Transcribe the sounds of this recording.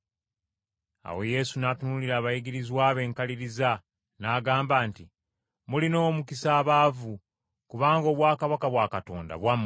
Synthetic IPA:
a̰we̞je̞sunaːtunuliɾaːβajiɡiɾizwaːβe̞ːŋkaliɾiza | naːɡaːmbaːnti | mulino̞ːmukisaːβaːvu | kuβaːŋɡo̞ːβwaːkaβakaβwaːkato̞̰ːnda̰βwamː

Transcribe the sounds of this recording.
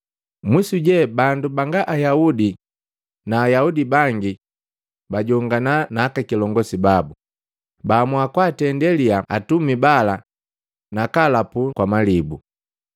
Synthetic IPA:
misuɟɛbandubaŋɡaʔajaudi | naːjaudibaŋɡi | baɟɔŋɡananaːkakilɔŋɡɔsibabu | baːmwakwatɛndɛliaatumibala | nakalapukwamalibu

